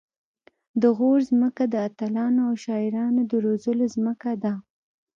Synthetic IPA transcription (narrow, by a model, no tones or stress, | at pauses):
d̪əɣoɾzməkad̪əat̪alɑnoawʃɑɪɾɑnod̪əɾozəlozməkad̪a